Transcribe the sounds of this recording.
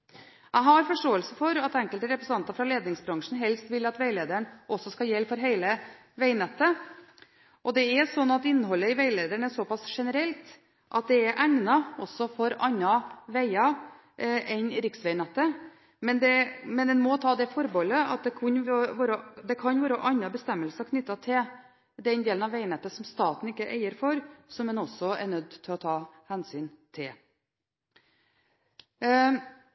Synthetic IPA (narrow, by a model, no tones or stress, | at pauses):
ʔæɪɦɑɾfɔʂʈoːəlsəfɔɾɑt̪ɛŋkəlt̪əɾɛpɾəsn̩ɑnt̪ɑfɾɑleːd̪nɪŋsbɾɑŋʂn̩ɦɛlst̪ʋɪlɑt̪ʋæɪleːd̪əɳʔɔsɔskɑjɛlːfɔɾɦæɪlə | ʋæɪnɛt̪ːə | ʔɔd̪ɛæsɔnːɑt̪ɪnːəɦɔlːəɪʋæɪleːd̪əɳæʂɔpɑsʂɛnəɾɛlt̪ | ʔɑ̰t̪̚d̪ɛæɾʔæŋnɑɔsːɔfɔɾɑɲːɑʋæɪɑ | ʔʔɛɪnɾɪksʋæɪnɛt̪ːə | mɛnd̪ɛmɛnɛnmɔt̪ʰɑːd̪ɛfɔɾboləɑ̰t̪̚d̪ɛkʰʊnʋoːɾəd̪ɛkʰɑnʋoːɾəʔɑnːɑbəst̪ɛmːəlsɑkʰnʏt̪ːɑt̪ʰɪl | d̪ɛnd̪eːlnɑʋæɪnɛt̪ːəsɔmst̪ɑːt̪n̩ɪkːəʔæ̰ɪəɾfɔɾsɔmɛnɔsɔæ̰ɾnœd̪ːt̪ʰɪlɔt̪ʰɑːhænsyːnt̪ʰɪl